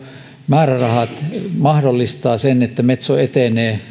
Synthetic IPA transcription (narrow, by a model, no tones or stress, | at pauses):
mæːrærɑhɑt̪mɑhdolːist̪ɑːsenet̪ːæmet̪soet̪eneː